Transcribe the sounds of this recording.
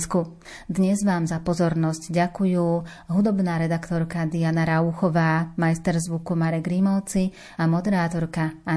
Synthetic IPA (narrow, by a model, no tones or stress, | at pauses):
sku | d̪ɲɛzʋaːmzapɔzɔɾnɔscɟakujuː | ɦud̪ɔbnaːɾɛd̪akt̪ɔɾkad̪ianaɾauxɔʋaːmajst̪ɛɾzʋukumaɾɛɡɾimɔʊt͡si | amɔd̪ɛɾaːt̪ɔɾkaa